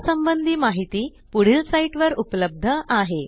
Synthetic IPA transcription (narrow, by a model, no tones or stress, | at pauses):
səmbənd̪ʱiːmaɦit̪iː | puɽ̤iːlsaiʈʋəɾupləb̚d̪ʱəʔaɦe